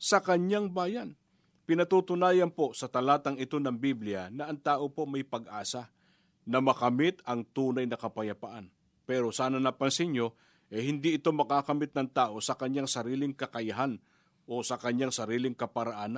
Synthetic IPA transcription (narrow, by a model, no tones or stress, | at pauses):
sɐkɐɲaŋbaːjɐn | pɪnɐt̪ut̪ʊnaːjɐnpo̞sɐt̪ɐlaːt̪ɐŋɪt̪o̞nɐŋbiblɪjanɐʔɐŋt̪aːʔo̞po̞mɐjpɐɡ̚ʔaːsa | nɐmɐkɐmɪt̪ɐŋt̪uːnɐjnɐkɐpɐjɐpa̰ʔan | pɛːɾo̞saːnɐnapɐnsɪɲo̞ | ʔɛhɪnd̪iʔɪt̪o̞mɐkaːkɐmɪt̪̚nɐŋt̪aːʔo̞sɐkɐɲaŋsɐɾiːlɪŋkɐkɐjɐɦan | ʔo̞sɐkɐɲaŋsɐɾiːlɪŋkɐpɐɾɐʔaːnɐ